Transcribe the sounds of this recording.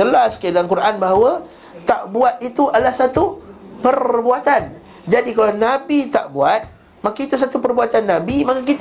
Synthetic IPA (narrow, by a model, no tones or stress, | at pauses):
əlaskadaŋkuɾanbaɦawa | t̪aʔbuat̪̚it̪uʔalahsat̪u | pərbuat̪an | d͡ʒadikalanabit̪a̰ʔbuat̪̚ | makiit̪us̬at̪upərbuat̪anːabimakak̬it̪